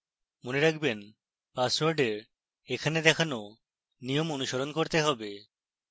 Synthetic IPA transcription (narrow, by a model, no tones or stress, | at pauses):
moneɾakʰben | paswoɾɖeɾ | ekʰaned̪ɛkʰano | nijomonuʃaɾonkoɾt̪eɦɔbe